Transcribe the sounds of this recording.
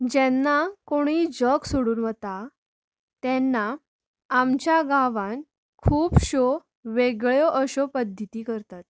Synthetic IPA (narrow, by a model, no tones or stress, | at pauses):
d͡ʑɛnːakoɽ̃iːd͡ʑəksoɽuːnʋət̪a | t̪ɛnːaː | mt͡ɕjaɡaʋãn | kʰuːpɕo | ʋeɡɭjɔʔəɕɔpəd̪ʱːət̪iːkəɾt̪at̪̚